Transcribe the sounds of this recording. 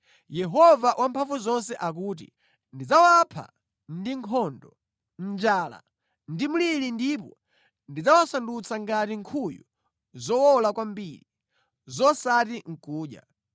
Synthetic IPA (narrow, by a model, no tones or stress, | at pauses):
jɛɦɔvaʔwʔampʰaɱvuzɔnsɛʔak̬uːt̬ḭ | ndid͡zawapʰa̰ | ndiŋkʰɔndɔ | n̩d͡ʒaːla̰ | ndimulilindip̬ɔ | ndid͡zawasandut͡sʰaŋɡatiŋkʰujṵ | zɔwɔlakwambili | zɔsatiŋ̩kuːɗja̰